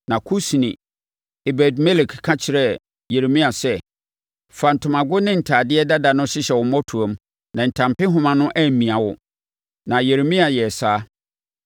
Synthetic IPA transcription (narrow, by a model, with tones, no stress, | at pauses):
nã˨kʰu˦snḭ̃˨ | e˨bɛ˨dme˦le˨kkʰːã˦t͡ɕʰɪ˨ɾɛ˦ | je˨ɾe˨mĩ˦a˨sɛ˦ | fa˨n̩˨tʰʊ̃˨mã˨ɡʊ˦nɪ̃˦n̩˨tʰaː˨dɪ˦ɛ˦da˦da˨nʊ̃˦ɕɪ˦ɕɛ˨wʊ˨mɔ̃˦tʰu˨a˨m˦ | nã˨n̩˨tʰã˨mpɪ˦ɦʊ̃˨mã˨nʊ̃˦ʔæ˦m̩˨mĩ˨a˨wʊ̰˨ | nã˨je˨ɾe˨mĩ˦a˨jɛ˨saː˦